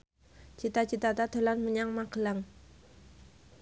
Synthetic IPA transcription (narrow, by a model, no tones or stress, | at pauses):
t͡ʃit̪at͡ʃit̪at̪at̪olanməɲaŋmakəlaŋ